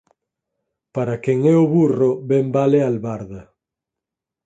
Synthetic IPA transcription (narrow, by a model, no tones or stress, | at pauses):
paɾakeŋɛoβuroβɛmbalealβaɾðɐ